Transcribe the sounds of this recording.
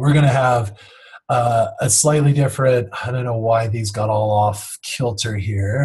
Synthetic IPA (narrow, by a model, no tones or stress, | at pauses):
wɪɹɡʌñɨəv | ʌɨslaɪtˡlidɪfɹɨ̃nt̚aɪdõʊ̃nːoʊwaɪðizɡɑɾɔlˠɔfkʰɪlˠtʰə˞ɦiɹ